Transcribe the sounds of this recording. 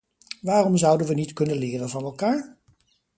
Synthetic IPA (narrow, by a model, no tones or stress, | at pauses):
ʋaːrɔmzʌwdənʋənitkɵnəlɪːrənvɑnɛlˠkaːɹ